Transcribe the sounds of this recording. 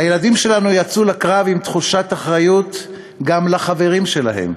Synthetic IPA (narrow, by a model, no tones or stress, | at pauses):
hajeladimʃe̞lanujat͡sulakʁavimt̪χuʃat̪aχʁajut̪ | ɡamlaχave̞ʁimʃe̞la̰he̞̰m